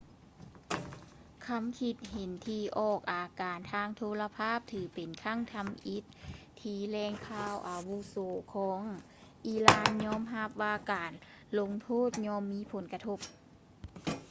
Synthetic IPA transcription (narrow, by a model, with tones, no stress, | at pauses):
kʰa˧˥mkʰi˧˩t̪̚he˨˦nt̪ʰiː˧ʔɔː˧˩k̚ʔaː˨˩kaː˨˩nt̪ʰaː˧ŋt̪ʰoː˧˨la˧pʰaː˥˨p̚t̪ʰɯː˨˦pe˨˩nkʰa˧˥˨ŋt̪ʰa˧mʔi˧˦t̪̚ʰː | iː˧˩lɛː˧ŋkʰaː˧˩wʔaː˨˩wu˧soː˨˦kʰɔː˨˦ŋ | ʔiː˧˩laː˧˥nɲɔː˧˥˨mɦa˧p̚ʋaː˧kaː˨˩n | lo˧˥ŋt̪ʰoː˥˨t̪̚ɲɔː˧˥mːiː˧˥˨pʰo˨˦nka˧t̪ʰo˧p̚